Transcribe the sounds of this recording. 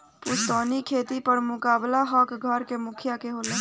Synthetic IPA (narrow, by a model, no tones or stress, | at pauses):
pʊst̪ɔːnikʰeːt̪ipəɾmʊkaːblaɦɔkɡʱəɾkemʊkʰjakeɦoːlẽː